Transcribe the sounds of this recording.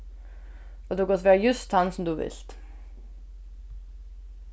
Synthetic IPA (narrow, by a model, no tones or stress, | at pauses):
ɔd̪ʉɡɔt̪ʰʋeːjʉst̪hɑnsɔmd̪ʉːʋɪ̰lt̪